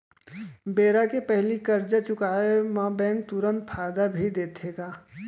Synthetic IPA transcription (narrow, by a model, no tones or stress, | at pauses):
beːɾakepɛɦlikəɾd͡ʒat͡ʃʊkaːemãbɛ̃ːk̚t̪uɾənt̪̚pʰaːd̪abʱid̪eːt̪ʰeːɡaː